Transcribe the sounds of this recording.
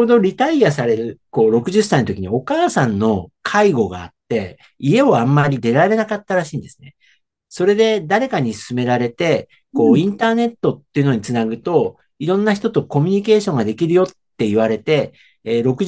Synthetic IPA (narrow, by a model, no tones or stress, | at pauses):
od̪o̞ɾʲit̪aias̬aɾe̞ɾɯ̟ko̞ːɾo̞kɯ̟ʑɨs̬ːaĩnot̪o̞kʲiɲ̟io̞kaːsãnːo̞kʰaiɡo̞ɡa̰ːt̪ːe̞ | ie̞o̞amːaɾʲid̪e̞ɾaɾe̞nakat̪ːaɾaɕĩːnd̪e̞sɨ̥ne | so̞ɾe̞d̪e̞d̪aɾe̞kaɲ̟isɨ̥sɨme̞ɾaɾe̞t̪e̞ | ko̞ːĩnt̪aːne̞t̪ːo̞t̪ːe̞iɯ̟no̞ɲ̟it͡sɨnaɡɯ̟t̪o̞ | iɾõ̞nːaç̬i̥t̪o̞t̪o̞ko̞mʲiɲ̟ike̞ːɕõ̞ŋɡad̪e̞kʲiɾɯ̟jo̞t̪ːe̞iβ̞aɾe̞t̪e̞ː | ɾo̞kɯ̟